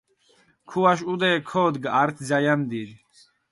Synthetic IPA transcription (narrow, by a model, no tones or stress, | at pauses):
kʰuwaʃud̪ɛːkʰɔːd̪ɡaɾt̪ʰzajamd̪iɾ